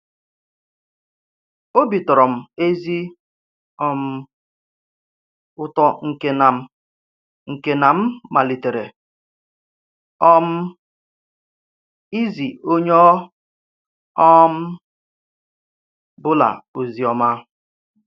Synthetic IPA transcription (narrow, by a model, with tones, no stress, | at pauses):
o˦bi˨tɔ˨ɾɔ˨m̩˨e˦zi˦ | ɔ˦m̩˦ | ʊ˦tɔ˦ŋ̩˨ke˦na˨m̩˦ | ŋ̩˨ke˦na˨m̩˦ma˨li˨te˨ɾe˨ | ɔ˦m̩˦ | i˦zi˨o˦ɲ˦ɔ˦ | ɔ˦m̩˦ | bʊ˦la̰˨o˨zi˦ɔ˦ma˦